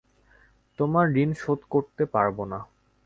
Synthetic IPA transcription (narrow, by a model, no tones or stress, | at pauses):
t̪omaɾːinʃod̪koɾt̪epaɾbona